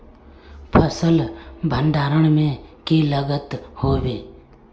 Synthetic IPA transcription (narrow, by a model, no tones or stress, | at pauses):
pʰəsəlbʱəɳɖaːɾəɳ̃mẽːkeːləɡət̪ɦoːʋeː